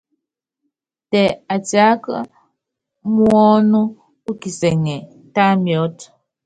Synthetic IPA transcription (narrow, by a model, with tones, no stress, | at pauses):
tɛ˨a˨ta˨˦kə˦ | mwɔ˦nu˦ | u˦ki˨sɛ˨ŋɛ˨ | ta˦mjɔ˨˦t